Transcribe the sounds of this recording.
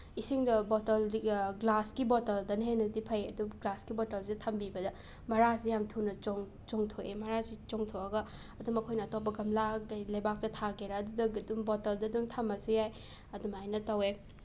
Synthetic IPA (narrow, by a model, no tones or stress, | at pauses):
isiŋdɐbotɐliɡlaskibɔtɐldɐnhenɐtipʰɐjɐduɡlaskibotɐlsidɐtʰɐmbibɐdɐ | mɐɾas̬ijamtʰunɐt͡ʃoŋ | t͡ʃoŋtʰoʔḛmɐɾazit͡ʃoŋtʰoɐɡɐ | ɐdumɐkʰojnɐːtop̬ːɐɡɐmlaɡajlɐjbak̚tɐtʰaɡeɾaɐdudɐɡdumbotɐldɐdumtʰɐmːɐsujaj | ɐdumajnɐtɐwe